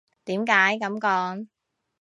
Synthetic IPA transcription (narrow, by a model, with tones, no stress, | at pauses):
t̪i˨˦mkaː˨˥jkə˨˥mkɔː˧n